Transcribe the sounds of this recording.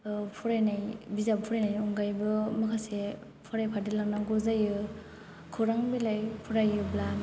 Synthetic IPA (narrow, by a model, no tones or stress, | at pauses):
pʰɔɾajnajbizabpʰuɾajnajɔŋɡajbɯmɯkʰase | pʰɔɾajpʰadilaŋnaɡɔzajɯ | kʰɯwɾaŋbilajpʰuɾajɯblan